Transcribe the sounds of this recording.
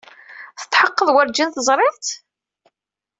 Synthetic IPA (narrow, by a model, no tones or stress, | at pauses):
θə̥t̪ˤħəqːəðˤwəɾd͡ʒinθəzˤɾˤɪʕt̪